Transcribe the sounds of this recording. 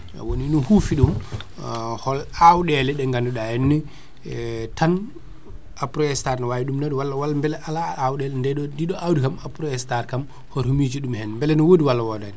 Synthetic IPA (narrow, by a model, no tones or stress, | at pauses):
woninumhufiɗum | hɔlawɗɛlɛɗɛŋɡanduɗahɛnːi | tʰan | apɾɔɛstaɾnɔwawiɗumnaɗɔwalːawalmbɛlɛʔalaːwɗɛlndɛɗɔdiɗɔʔawdikamapɾɔɛstaɾkam | hɔɾhumid͡ʒiɗumhɛnmbɛlɛnɔwodiwalːawɔdɛn